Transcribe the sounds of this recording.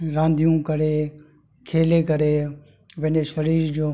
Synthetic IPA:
ɾãːnd̪ʱijũːkəɾeː | kʰeːleːkəɾeː | ʋɪneːʃəɾiːɾd͡ʒoː

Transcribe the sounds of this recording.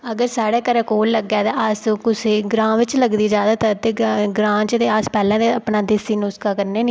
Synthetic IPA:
əɡəɾsaːɽeːkəɾɛ̃ːkoːlːəɡɛːt̪ãːəskʊseːɡɾãːʋɪt͡ʃləɡd̪iːd͡ʒjaːd̪aːt̪əɾt̪eːɡɾãːt͡ʃət̪eːaspɛːlɛ̃ːd̪eəpnaːd̪ɪsiːnʊskaːkəɾneːniː

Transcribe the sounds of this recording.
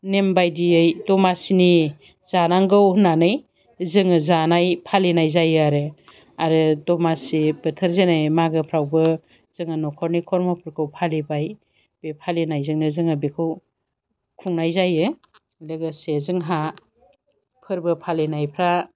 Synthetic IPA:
nembajdiɯjdɔmasini | zanaŋɡɯwhnanɯj | zɯŋɯzanajpʰalenajzajɯaɾɯ | aɾɯdɔmasib̥ɯtʰɯɾzenajmaɡɯpʰɾawbɯ | z̥ɯŋɯnɔkʰɔɾnikʰɔɾmapʰɯɾkʰɯwpʰalibaj | b̥epʰalinajzɯŋnɯzɯŋɯbekʰɯw | kʰuŋnajzajɯ | leɡasezɯŋɦa | pʰɯɾbɯpʰalenajpʰɾa

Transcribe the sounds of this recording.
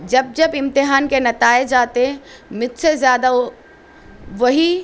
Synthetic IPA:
d͡ʒɐb̚d͡ʒɐbɪ̃mt̪ɪɦaːnkenɐt̪aːed͡ʒaːt̪eɦmɪt̪sezjaːd̪a | ʋɐɦi

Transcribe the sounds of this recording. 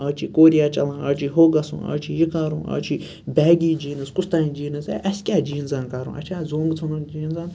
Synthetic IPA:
ɐːt͡ʃʰikoːɾijaːt͡ʃɐlãːɐt͡ʃʰiɦoːɡɐsṵ̃ːɐ̰ːt͡ʃʰijikaɾṵ̃ːʔɐ̰ːt͡ʃʰi | bɛːɡiːd͡ʒiːnɨskʊst̪aːnĩd͡ʒiːnɨsɛʔɐsʲkʲaːd͡ʒiːnzankaːɾṵ̃ːʔɐ̰t͡ʃʰaːzoːŋɡt͡sʰunud͡ʒiːnzaːn

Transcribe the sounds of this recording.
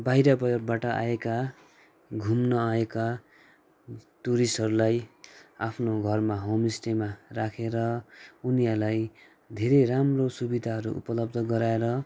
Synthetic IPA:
baɦjɾʌbʌbaʈʌʔa̰eka | ɡʱumnʌeka | t̪uɾisɦʌɾulajapʰnoɡʱʌrmaɦomisʈemarakʰeɾʌunijʌrlaj | d̪ʱeɾeramrosubid̪ʱaɦʌɾṵṵpʌlʌb̚d̪ʱʌɡʌɾaeɾʌ

